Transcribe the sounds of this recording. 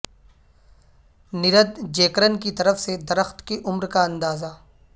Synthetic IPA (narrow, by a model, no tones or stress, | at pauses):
nɪɾəd̪d͡ʒeːkɾənkit̪ɐɾəfsed̪ɐɾəxt̪kiʔʊmɾkaɐ̃nd̪aːzaː